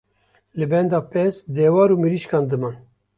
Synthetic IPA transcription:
lɨbɛnd̪ɑːpɛsd̪ɛːwɑːɾuːmɨɾiʃkɑːnd̪ɨmɑːn

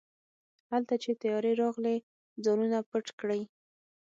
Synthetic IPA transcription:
halt̪at͡ʃet̪ajɑɾeɾɑɣle | d͡zɑnunapəʈkɽəj

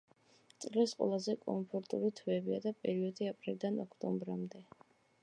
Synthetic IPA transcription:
t̪sʼlɛsqʼwɛ̰lˠazɛkʼɔmpʰɔɾt̪ʼuɾit̪ʰvɛbiad̪apʼɛɾiɔd̪iapʼɾilˠd̪anɔkʰt̪ʼɔ̰mbɾamd̪ɛ

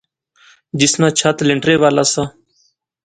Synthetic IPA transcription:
d͡ʒɪsnãːt͡ʃʰaːt̪lɪɳɖɾeːʋaːlaːsaː

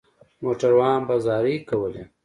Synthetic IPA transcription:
moʈaɾwɑːnbazɑːɾikawəle

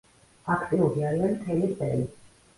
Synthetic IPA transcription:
akʰt̪ʼiuɾiaɾianmt̪ʰɛlist̪ʼɛli

